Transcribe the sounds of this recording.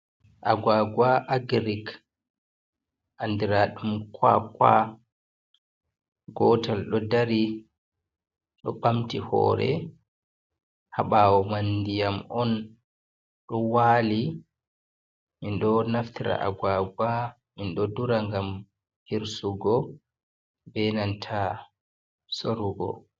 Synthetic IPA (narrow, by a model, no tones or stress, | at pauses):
ʔaɡaɡwaʔaɡɾik | ʔandiɾaɗumkwa̰kwa̰ | ɡɔtalɗɔdaɾi | ɗɔ̰ɓamtihɔ̰ːɾɛ̰ | haɓawɔmandijamɔn | ɗɔwaːli | minɗɔnaftiɾa̰ʔa̰ɡwaɡwa | minɗɔduɾaŋɡam | hiɾsuɡɔ | bɛnantʰa | soɾuɡɔ̰